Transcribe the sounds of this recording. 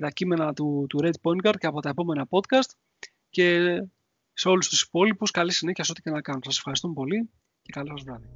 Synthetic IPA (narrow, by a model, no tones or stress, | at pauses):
t̪ɐcime̞nɐt̪ut̪uɾed̪poŋɡɐɾd̪ceɐpo̞t̪ɐe̞po̞me̞nɐpo̞t̪kɐst̪ | ce̞ | se̞o̞lust̪u̥si̥po̞lipuskɐlisine̞çiɐsot̪i̥cenɐkɐnonsɐsefxɐɾist̪umepo̞li | ce̞kɐlisɐzvɾɐði